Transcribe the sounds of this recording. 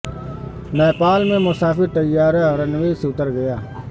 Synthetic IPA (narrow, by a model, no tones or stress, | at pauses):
mɛːpaːlmẽmʊsaːfɪɾt̪əjːaːɾeəɾənʋeːseʊt̪əɾɡəjaː